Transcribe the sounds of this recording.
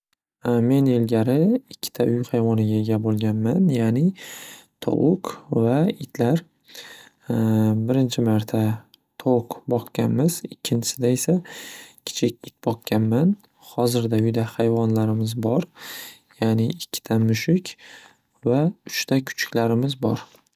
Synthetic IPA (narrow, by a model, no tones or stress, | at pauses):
me̞ne̞lɡʲaɾɪɪkʲʰːɪ̥t̪ʰaʔʊjhajvɒnɪɡʲaeɡʲabolˠɡʲanmanjaːnɪt̪ʰɒ̰ʔʊkvaɪt̪ʰlaɾ | bɪɾɪnt͡ʃʰɪmaɾt̪ʰa | t̪ʰoqbɒqkʲanmɪzɪkʲʰːɪnt͡ʃ̪ʰɪsɪd̪ae̞sakʲʰɪ̥t͡ʃʰɪkʲɪt̪̚bɒq̚kʲʰːanman | hɒzɪɾd̪aʊjd̪ahajvɒnlaɾɪmɪzbɒɾjaːnɪːkʲʰːɪ̥t̪ʰamʊʃɪkʲ | vaʊʃt̪ʰakʰʊ̥t͡ʃʰɪ̥kʲlaɾɪmɪzbɒɾ